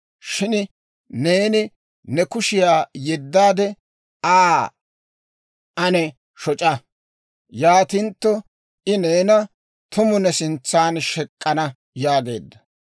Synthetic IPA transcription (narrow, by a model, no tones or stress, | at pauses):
ʃɪn | ne̞ːnɪ | nɛkʊʃɪjaːjɛd̪ːaːd̪ɛ | aː | ʔɐnɛ | ʃɔt͡ʃʼɐ | jaːt̪ɪnt̪ːɔ | ʔɪne̞ːnɐ | t̪ʊmʊnɛsɪnt͡sːaːnʃɛkʼːɐnɐ | jaːɡe̞̰ːd̪ːɐ̥